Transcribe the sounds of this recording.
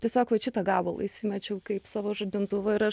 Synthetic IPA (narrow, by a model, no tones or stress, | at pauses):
tʲiɛsʲoːkʋɐt͡ʃʲɪt̪ɐɡɑːbɐlˠɐ̰ɪsʲimʲɛt͡ʃʲɛʊkɐɪpsɑːʋoːʒɐd̪ʲɪnt̪ʊʋɐɪɾɐʃ